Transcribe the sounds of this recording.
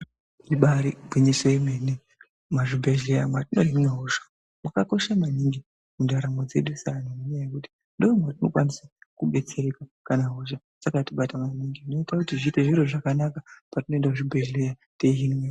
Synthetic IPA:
iɓaɾibʱwiɲiseimene | maʐibʱeɮejamwatino̞ɦinweɦoʒḁ | mwakako̞ʃamaniŋɡi | mundaɾamo̞d͡ze̞ɗusanonoɲajekuti̥ | ndoimwatino̞kwanisakuɓe̞t͡se̞ɾe̞kakanaɦoʃa | sakatiɓatamaniŋɡino̞itakutiʐiːte̞ʐiɾoʐakanakapatino̞endakuʐibʱeɮe̞ja | teiɦimwe

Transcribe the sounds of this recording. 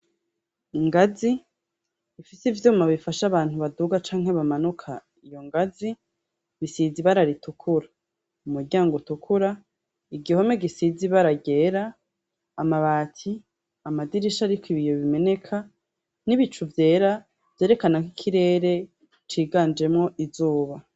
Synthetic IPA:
iŋɡazi | ifisivjuːmaβifaʃaβaːn̥huβaduɡat͡ʃaːŋhe̞βamanukʰa | ijo̞ŋɡazi | βisiziβaɾaɾitukʰuɾa | umuɾɟaːŋɡutukʰuɾa | iɡiho̞me̞ɡisiziβaɾaɡe̞ːɾaː | maβaːtʰi | amadiɾiʃaɾikiβijoβime̞ne̞kʰa | niβit͡ʃuvje̞ːɾa | vjeːɾe̞kanakikʰiɾe̞ːɾe̞ | t͡ʃiːɡaːnd͡ʒe̞mŋo̞ʔizuːβa

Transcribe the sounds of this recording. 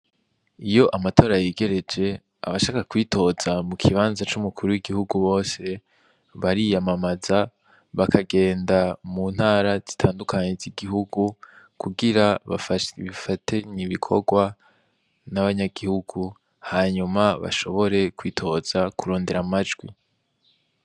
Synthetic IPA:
ijo̞ʔamato̞ːɾajiːɡe̞ɾe̞d͡ʒe̞ | a̰βaʃaːkakwiːtʰo̞zamukʰiβaːnzat͡ʃumukuɾuwiɡihuɡuβo̞ːse̞ | βaɾijamamaza | βakʰaɡe̞ːndamuːn̥haːɾaz̥i̥tʰaːndukaɲeziɡiɦuɡu | kuɡiɾa | βifatʰe̞ɲiβikʰo̰ɡwa | naβaɲaɡihuɡ̥u | haːɲumaβa̰ʃo̞βo̞ɾe̞kwiːtʰo̞z̥akuɾo̞ːnde̞ɾamad͡ʒɡwi

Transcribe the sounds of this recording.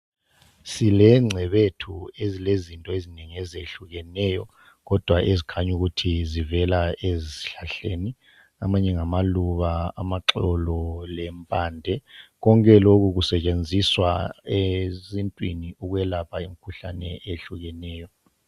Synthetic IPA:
silɛŋ͡ǀʱɛβetʰuezilezintʼɔezineŋiɛzeɬuɣɛnɛjɔ | ɣɔd̥ʱwaʔezikʰaɲuɣutʰizivɛlaeziɬaɬeːni | amaɲɛŋamaluβaa̰maǁɔlɔlɛmpʼaːndʱɛɣɔŋkʼɛlok̬uɣusɛt͡ʃʼend͡zʱiswa̰ezintʼwiniuɣwɛlapʰaim̩kʰuɬa̰nɛʔeɬuɣɛnɛːjɔ

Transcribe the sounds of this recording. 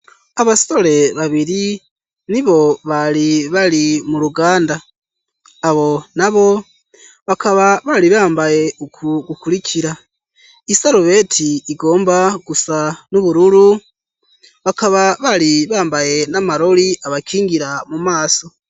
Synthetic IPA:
aβaso̞le̞βaβiɾi | niβo̞βaliβalimuɾuɡaːndaː | βo̞naβo̞ | βakaβaβaliβaːmbaje̞ukuɡukuɾikʰiɾa | isaɾuβe̞tʰiːɡo̞ːmbaɡ̥usanuβuɾuɾu | βakaβaβaliβaːmbaje̞namaɾo̞liʔaβakiːŋɡiɾamumaːso̞

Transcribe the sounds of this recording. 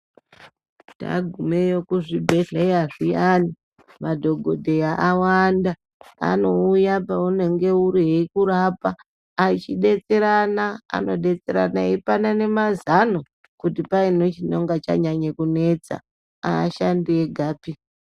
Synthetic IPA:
da̰ɡʱume̞jokuʐibʱeɮaiaʐijani | madʱo̞ɡʱo̞dʱe̞jaʔawanda | a̰no̞ujapaune̞ŋɡe̞uɾiɦekuɾapaː | it͡ʃiɗe̞t͡se̞ɾanaa̰no̞ɗe̞t͡se̞ɾa̰naepanane̞mazano | kutipainot͡ʃino̞ŋɡat͡ʃa̰ɲaɲekune̞t͡sa̰ | a̰ːʃandieɡʱaːpi

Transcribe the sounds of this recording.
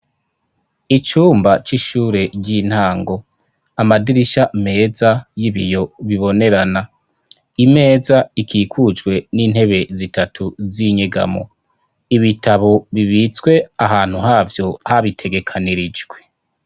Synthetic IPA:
it͡ʃuːmbat͡ʃiʃuːɾe̞ɟɟin̥haːŋɡo̞ | amadiɾiʃame̞ːzajiβijo̞βiβo̞ne̞ɾana | ime̞ːzaikʰiːkʰud͡ʒɡwe̞niːnhe̞βe̞zitatʰuziɲeɡa̰mo̞̰ | iβitʰaβoβiβit͡swe̞aɦaːn̥huhaːvjo̞haβitʰe̞ɡe̞kʰaniɾid͡ʒɡwe̞̥

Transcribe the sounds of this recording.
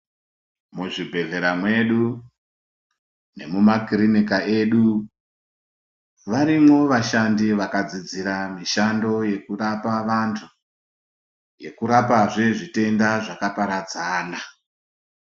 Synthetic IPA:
muʐibʱe̞ɮe̞ɾamwe̞ɗu | ne̞mumakrinikae̞ɗu | ʋaɾimo̞ʋaʃandiʋakad͡zid͡ziɾamiʃando̞je̞kurapaʋantʰu | je̞kuɾapaʐe̞ʐite̞ndaʐakapaɾad͡zaːna

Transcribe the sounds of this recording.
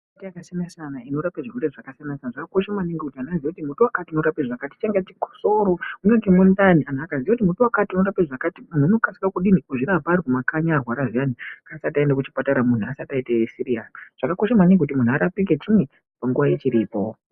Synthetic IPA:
itijakasjanasanaino̞ɾapeʐirweɾeʐakasanasanaʐakako̞ʃamaniŋɡekutianaziakutimutuwakatiuno̞ɾapeʐakati̥t͡ʃeŋɡat͡ʃiko̥soɾounakemundanian̤akazijakutimutuwakatiuno̞ɾapeʐakatimun̤uuno̞kasi̥kakuɗiniuʐiɾabaːɾikumakaɲaːrwaɾaʐianikasataendakut͡ʃi̥pataɾamun̤uasataitesiɾianiʐ̥akakoʃamaniŋɡekutimun̤uaɾapik̬et͡ʃine | paŋɡuʋajet͡ʃiɾiːpo̰

